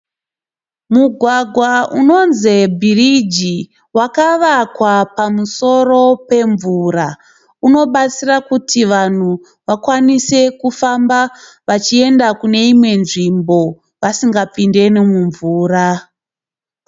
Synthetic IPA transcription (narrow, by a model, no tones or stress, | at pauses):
muɡʱwaɡʱwauno̞nzebʱirid͡ʒi | wakaʋakwapamuso̞ro̞pe̞ɱvura | uno̞ɓat͡sirakutʰiʋan̤u | ʋakwanise̞kufamba | ʋat͡ʃie̞ndakune̞imwe̞nʐimbo̞ | ʋasiŋɡapinde̞nimuɱvuːra